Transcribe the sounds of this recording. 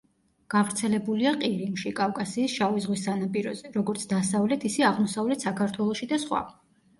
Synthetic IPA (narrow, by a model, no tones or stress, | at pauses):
ɡ̥avɾt̪sʰɛlɛbuliaqʼiɾimʃikʼavkʼasiːsʃavizʁwisanapʼiɾɔzɛɾɔɡɔɾt̪ʰd̪asavlɛt̪ʰisiaʁmɔsavlɛt̪ʰsakʰaɾt̪ʰwɛlˠɔʃid̪asχwa̰